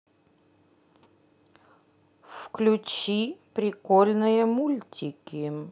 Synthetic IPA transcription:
fklʲʊt͡ɕipɾʲɪkolʲnɨjəmulʲtʲʰɪkʲɪ

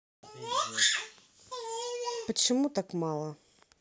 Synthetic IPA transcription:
pɐt͡ɕɪmut̪akmɑlˠɐ

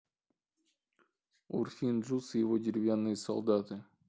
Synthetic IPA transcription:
ṵrfʲinʐusjevod̪ʲɪɾʲɪvʲjanːɨjso̰lˠd̪at̪ɨ

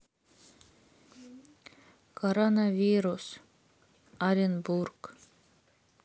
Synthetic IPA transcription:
kʰoɾonavʲiɾus | aɾʲɪnburk

